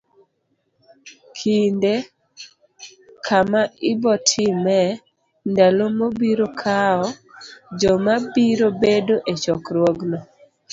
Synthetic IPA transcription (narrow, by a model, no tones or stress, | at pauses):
kʰinde | kʰamaɪbɔtʰimɛ | ndalomobiɾokʰaɔd͡ʒɔmabiɾobedoʔet͡ʃɔkɾwɔɡnɔ